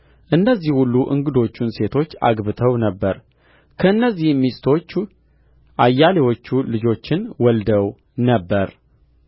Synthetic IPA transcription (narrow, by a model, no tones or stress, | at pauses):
ʔɨnːəzːihhulːuʔɨ̰ŋɡɨd̪o̞t͡ʃːunse̞t̪ʰo̞t͡ʃːa̰ɡbɨt̪ʰəwnəbːəɾ | kʰəɨnːəzːihmist̪ʰo̞t͡ʃː | ʔajːalewo̞t͡ʃːulɨd͡ʒo̞t͡ʃːɪnwɔld̪əw | nəbːəɾ